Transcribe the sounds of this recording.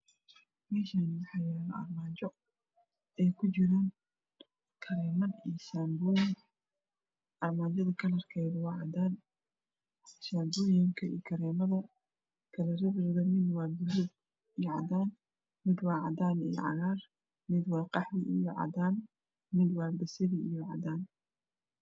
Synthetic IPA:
mɛːʃanwɑħɑjaːlɐɐ̰rmaːt͡ʃɔ | ɛjkʰʊt͡ʃɪɾaːn | kʰɐɾɛːmɐnijʃaːmbujɪŋ | ʔɐrmaːt͡ʃɐðɐkʰɐlɐrkʰɛjdwɑːʕɑd̪aːn | ʃaːmbuːjɪŋkʰɐḭjkʰɐɾɛːmɐðɐ | kʰɐlɐɾɐðɪrðɐmɪd̪wɑːbʊlʊb | ijɔʕɑd̪aːn | mɪd̪wɑːʕɑd̪aːnḭjɔ̰ʕɑ̰ɣaːr | mɪd̪wɑːqɑħwɪʔijɔʕɑ̰d̪aːn | mɪd̪wɑːbɐsɐðiijɔʕɑ̰d̪aːn

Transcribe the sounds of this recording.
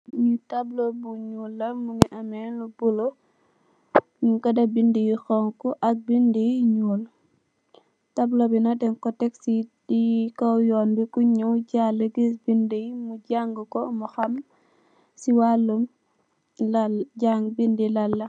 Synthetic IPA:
ɲutablobuɲulːɐmuŋiʔɐmɛnlubulo | nuŋkɐdɐbindijixɔŋkuʔɐk̚bindijɲul | tablobinɐdɛŋkɔtɛksidikɔwjɔːnbikuɲuwɟalːəɡisbindijmuɟaŋɡukɔmuxɐm | siwalːum | ɟaŋɡbindilɐlːɐ

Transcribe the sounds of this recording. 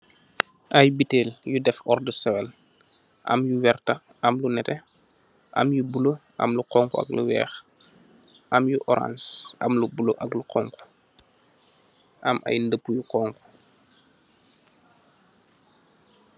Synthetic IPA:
ʔɐjbiteːljudɛfɔrdəsɛwɛl | ʔɐ̰mjuwɛrtɐ | ɐmlunɛtɛ | ʔɐ̰mjubuloʔɐ̰mluqɔŋkuɐ̰klṵwɛ̰ːx | ʔɐmjuʔɔɾa̰nsʔɐ̰mlubuloʔɐkluqɔŋku̥ | ʔɐmʔɐ̰jndəpːujuqɔŋku̥

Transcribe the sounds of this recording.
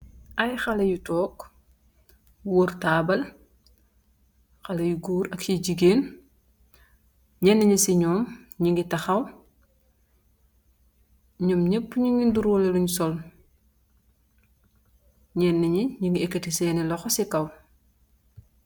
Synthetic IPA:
ʔɐjxɐlɐjutɔːk | wortaːbɐl | xɐlɐjuɡuːɾɐkjiɟiɡeːn | ɲɛnːɐɲisiɲɔːmɲiŋɡitɐxɐw | ɲɔmɲepːɲiŋɡinduɾwɔlɐluɲusɔl | ɲɛnːɐɲiɲiŋɡiekːətisɛːnilɔxɔsikɐw

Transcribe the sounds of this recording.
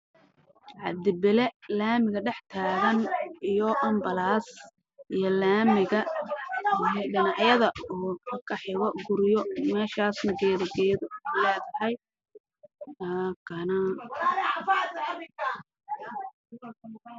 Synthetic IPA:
ʕɑ̰d̪ɪbɪlɛlaːmɪɣɐɖɛħt̪ʰaːɣɐnijɔʔɔmbɐlaːs | ʔijɔlaːmɪɣɐ | jɖɪnɑʕjɐðɐɔːkʰɐkʰɐħɪɣɔɡʊɾɪjɔmɛːʃaːsnɐɡɛːðɐɡɛːjðʊlɛːðɐhɛj | t̪aːkʰɐnɐ

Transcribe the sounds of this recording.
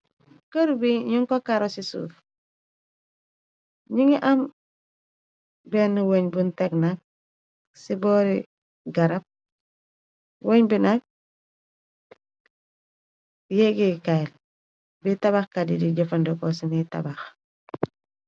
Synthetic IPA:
kəɾubiɲuŋkokaɾosisṵːf | ɲiŋiʔam | benːuwoɲbunteɡnak̚ | siboɾi | ɡaɾap̚ | woɲbinak̚ | jeɡikajl | bitaβaxkadḭdiɟofandokosinita̰bax

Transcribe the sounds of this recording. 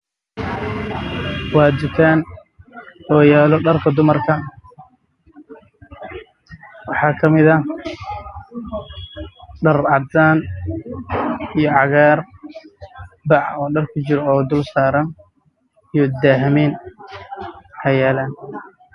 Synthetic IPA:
wɑːd͡ʒ̪ɪt̪ʰaːn | ɔːjaːlɔɖɐrkʰɐd̪ʊmɐrkʰɐ | wɑħɑːkʰɐmɪðɐ | ɖɐrʕɑd̪aːn | ijɔʕɑɣaːr | bɑʕɔːɖɐrkʰʊt͡ʃɪɾɔɔːd̪ʊlsaːɾɐn | ijɔd̪aːɦɪmɛːn | hɐjaːlaːn

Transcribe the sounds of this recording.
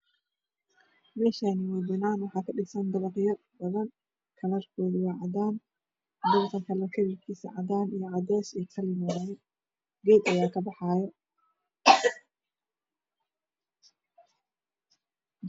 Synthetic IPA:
mɛːʃaːniwɛjb̪ɪnaːnwɑħɑːkʰɐɗɪsɐnd̪ɐβɐqjɐrbɐðɐn | kʰɐlɐrkʰɔːðɪwɑʕɑd̪aːn | d̪ʊβt̪ʰɐkʰɐlɐrkʰɐɾikʰiːsɐ̰ʕɑd̪aːnijɔʕɑd̪ɛːʃɛːkʰɐlɪmɔjɛ | ɡɛːd̪ɐjaːkʰɐbɑħɑːjɔ

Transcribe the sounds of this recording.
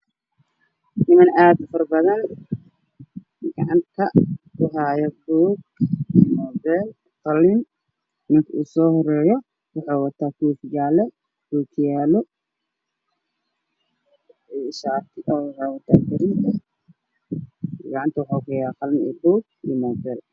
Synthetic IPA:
nɪmɐnaːd̪fɐrbɐðɐn | ɡ̥ɐʕɑnt̪ʰɐkʰʊɦaːjɔbuːɡimɔːbɛl | qɑlːɪn | mɪŋkʰɐʔuːsɔːhɔɾɛːjɔ | wɑħɑːwɐt̪ʰaːkʰuːfjaːlɛ | kuːkʰɪjaːlɔ | ʃaːt̪ʰɪʔɔwɑħɑːwɐt̪ʰaːfʊɾɪnt̪ʰɐ | ɡɑʕɑnt̪ʰɐwɑħaːkʰɐjaːqɑlɪnḭːbuːɡ̚ | imɔːbɛl

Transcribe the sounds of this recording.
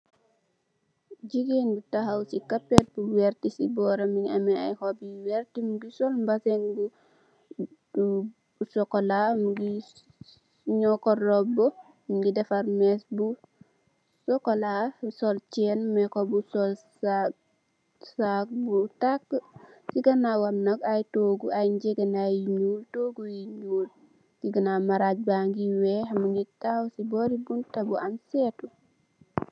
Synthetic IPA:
d͡ʒiɡenbutaɦawsikapːet̚buweɾtisibɔːɾamiŋamɛa̰jhobiwɛɾtimuɡisɔlmbasenbu | usɔkolamuɡi | ɲɔkɔrɔbo | miɡidɛfaɾmesbu | sɔkolasɔlt͡ʃɛnmɛkɔbusɔlsa | sak̚butakː | siɡanawamnaɡajtoɡuajɲd͡ʒeɡənajiɲuːltoɡujiɲuːl | siɡənamaɾaɟ̚baŋɡiwɛɦamuŋɡitawsibɔɾibuntabuansɛtu

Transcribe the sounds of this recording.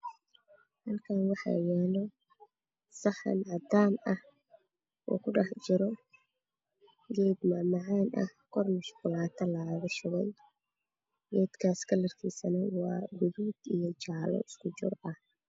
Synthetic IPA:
hɐlkʰaːnwɑħɑ̰jaːlɔ | sɑħɐ̰nʕɑd̪aːnɐh | ʔɔ̰ːkʰʊɖɑħt͡ʃɪɾɔ | ɡɛːd̪maːmɑʕaːnʔɐ̰hkʰɔrmʊʃkʊlaːt̪ʰɐlɐɣɐʃʊɣɛj | ɡɛːd̪kʰaːskʰɐlɐrkʰiːsɐnɐwɑːɡʊðuːd̪ijɔt͡ʃɑʕlɔ̰ɪskʰʊt͡ʃʊ̰rɐ

